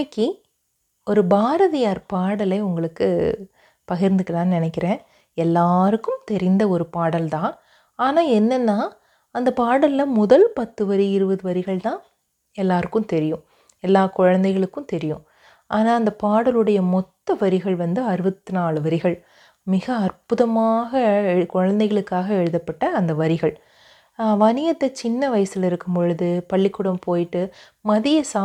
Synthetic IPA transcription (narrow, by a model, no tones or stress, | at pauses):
ɐkːi | ɔɾɯbaːɾɐðɪjaːɾpaːɽɐlɐɪʊŋɡɐɭɯkːɯ | pɐɣɪɾnd̪ɯkːɐlãːnnɪnɛkːɪɾẽː | ɛlːaːɾɯkːɯmt̪ɛɾɪnd̪ɐɔɾɯpaːɽɐlt̪ãː | aːnaːɛnːɛnːaː | ɐnd̪ɐpaːɽɐlːɐmʊðɐlpɐt̪ːɯʋɐɾiɪɾɯʋɐðɯʋɐɾɪɣɐɭt̪ãː | ɛlːaːɾɯkːɯ̃mt̪ɛɾɪjɯ̃ | ɛlːaːkɔɻɐnd̪ɐɪɣɐɭɯkːɯ̃mt̪ɛɾɪjɯ̰̃ | ʔaːnaːɐnd̪ɐpaːɽɐlɯɽɐjɐmɔt̪ːɐʋɐɾɪɣɐɭʋɐnd̪ɯɐɾɯʋɐt̪ːɯnaːɭɯʋɐɾɪɣɐɭ | mɪɣɐɐrpʊðɐmaːɣɐɛkɔɻɐnd̪ɐɪɣɐɭɯkːaːɣɐɛɻɯðɐpːɐʈːɐːnd̪ɐʋɐɾɪɣɐɭ | ʋɐnɪjɐt̪ːɐt͡ʃɪnːɐʋɐjɐsɪlɪɾɯkːɯmpɔɻɯðɯpɐɭːɪkːʊɽɐmpoːjɪʈːɯ | mɐðɪjɐsaː